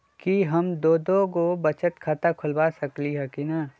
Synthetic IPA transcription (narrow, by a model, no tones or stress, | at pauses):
kiɦɐmd̪oːd̪okobɐt͡ʃət̪kʰaːt̪akʰʊlbaːsɐkliɦɛkinaː